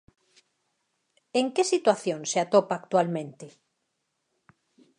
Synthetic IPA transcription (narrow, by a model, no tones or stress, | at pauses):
eŋkesit̪waθjõŋseat̪opaːkt̪walmẽnt̪e